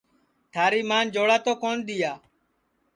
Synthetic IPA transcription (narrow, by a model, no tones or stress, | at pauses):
t̪ʰaːɾiːmaːnd͡ʒoːɽaːt̪oːkoːnd̪ɪjaː